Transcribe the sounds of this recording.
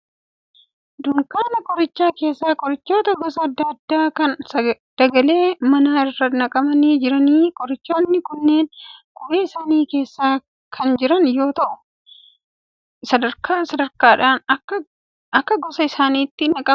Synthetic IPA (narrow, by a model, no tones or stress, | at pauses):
d̪ʊŋkaːnɐkʼɔɾɪt͡ʃːaːke̞ːsːaːkʼɔɾɪt͡ʃːoːt̪ɐɡɔsɐɐd̪ːɐd̪ːaːkɐnsɐ | d̪̥ɐɡɐle̞ːmɐnaːɪrːɐt̪nɐkʼɐmɐneːd͡ʒɪɾɐniːkʼɔɾɪt͡ʃːoːnːɪkʊnːe̞ːnɡʊʔeːɪsaːniːke̞ːsːaː | kʰɐnd͡ʒɪɾɐnjo̞ːt̪ɐʔʊ | sɐd̪ɐɾkʰaːsɐd̪ɐɾkaːᶑaːnɐ | ɐkːɐɡɔsɐɪsaːniːt̪ːɪnɐkʼɐ